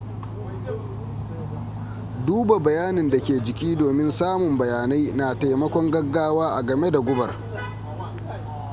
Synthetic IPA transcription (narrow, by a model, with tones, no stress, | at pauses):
duː˦ba˨bɐ˨jaː˦nɪ˨nda˨kʲeː˨d͡ʒɪ˨kʲiː˦doː˨mɪ˦nsaː˦mʊ˨mbɐ˨jaː˨na˦jna˨ta˨jmɐ˦kʷɔ˦ŋɡɐ˦ɡːaː˦waː˦ʔa˨ɡɐ˨me˦da˨ɡʷʊ˦bɐ̰˨r